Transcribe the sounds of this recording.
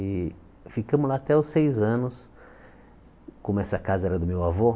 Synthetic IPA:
ɪ | fikɐ̃mʊzlaat̪ɛɔsejzɐ̃nʊs | kõmʊɛsɐkazɐɛɾɐd̪ʊmewavo

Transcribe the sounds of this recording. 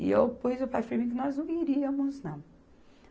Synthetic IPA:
ɪ̰ewpujzopat͡ʃɪpɾɐmĩkɪnɔznɐ̃w̃iɾiɐmʊznɐ̃w̃

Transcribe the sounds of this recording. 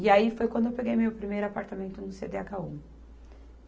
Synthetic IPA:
ɪaifojkwɐ̃nd̪ʊewpeɡejmewpɾimejɾʊapaɾt̪amẽnt̪ʊnʊsed̪eaɡaũ

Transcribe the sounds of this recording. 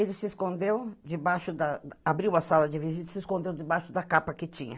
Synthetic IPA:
elɪsɪeskõnd̪ewd͡ʒɪbaʃʊd̪ɐabɾiwɐsalɐd͡ʒɪvizit̪ɐ̥sɪskõnd̪ewd͡ʒɪbaʃʊd̪ɐkapɐkɪt͡ʃḭ̃ɲɐ̰

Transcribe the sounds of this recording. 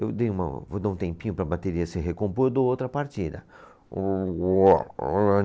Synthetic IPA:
ewd̪ejũmɐ̰vod̪aũt̪ẽmpĩɲʊpɾɐbat̪eɾiɐseɦekõmpojd̪oowt̪ɾɐpaɾt͡ʃid̪ɐ̰ | ɔ

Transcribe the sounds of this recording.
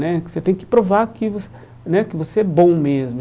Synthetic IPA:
nɛkɪ̥set̪ẽj̃kɪ̥pɾovaɾkɪvos | nɛkɪvoseɛbõmezmʊ

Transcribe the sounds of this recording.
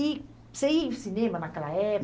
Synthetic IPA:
i | seisinemanakəlaɛ

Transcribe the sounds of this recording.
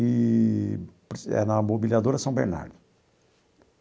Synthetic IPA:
i | pɾɛ̰nɐmobilʲiad̪oɾɐsɐ̃w̃bḛɾna̰ɾd̪ʊ

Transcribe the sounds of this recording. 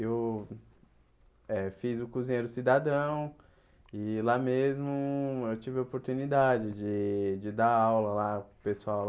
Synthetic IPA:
ew | ɛfizʊkuzĩɲejɾʊsid̪ad̪ɐ̃w̃ | ɪlamezmʊewt͡ʃivɪopoɾt̪unid̪ad͡ʒɪd͡ʒɪd͡ʒɪd̪aawlɐlapesuaw

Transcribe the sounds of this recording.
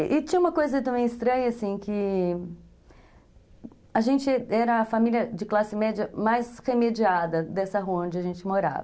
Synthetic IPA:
ʔɪt͡ʃĩɲɐ̃ũmɐkojzɐt̪ɐ̃bẽj̃ɪst̪ɾɐ̃ɲɐasĩkɪ | aʒẽnt͡ʃɪɛɾɐːfamiliɐd͡ʒɪklasɪmɛd͡ʒɐmajsʁemed͡ʒiad̪ɐd̪ɛsɐɦuɐõd͡ʒɪɐʒẽnt͡ʃɪmoɾa̰vɐ

